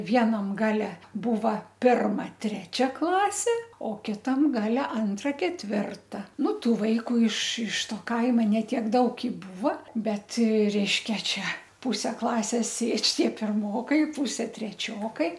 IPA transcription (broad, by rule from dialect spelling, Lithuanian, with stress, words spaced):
ˈʋʲiɛnɐm ˈɡɑːlʲɛ ˈbuːʋɐ ˈpʲɪrmɐ ˈtʲrʲæːt͡ʃʲɛ ˈklˠɑːsʲeː oː ˈkʲɪtɐm ˈɡɑːlʲɛ ˈɐntrɐ kʲɛtʲˈʋʲɪrtɐ ˈnʊ ˈtuː ˈʋɐɪkʊ ɪʃ ɪʃ ˈtoː ˈkɐɪmɐ nʲɛ ˈtʲiɛk ˈdɐʊk ɪ ˈbuːʋɐ ˈbʲɛt ˈrʲɛɪʃʲkʲɛ ˈt͡ʃʲɛ ˈpʊsʲɛ ˈklˠɑːsʲeːs ˈsʲeːt͡ʃʲ ˈtʲiɛ pʲɪrˈmoːkɐɪ ˈpuːsʲɛ tʲrʲɛˈt͡ʃʲoːkɐɪ